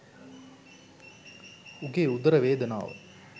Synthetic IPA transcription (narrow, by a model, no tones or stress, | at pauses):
uɡeːud̪ɐɾɐʋeːd̪ɐna̰ːʋə̰